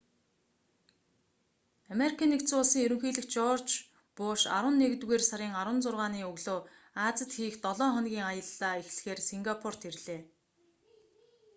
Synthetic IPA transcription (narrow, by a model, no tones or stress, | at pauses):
ameɾikʰaːnːekt͡sʊːɮsiːŋɵɾɵ̆ŋxiːɮɘ̆xt͡ɕɔrt͡ɕ | pʊːʃa̰ɾwə̆nːekt̪ɣeːrsaɾʲiːŋaɾwə̆nt͡sʊrʁaːniːɵɣɮoː | aːt͡sə̆t̪xiːxt̪ɔɮɔːχɔnɡʲiːŋajə̆ɮːaːixɮxeːrsiŋɡapʰɔr̥t̪iɾɮeː